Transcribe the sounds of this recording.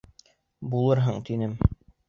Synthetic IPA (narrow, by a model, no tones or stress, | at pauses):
bulˠɤɾɦɤɴt̪inɘm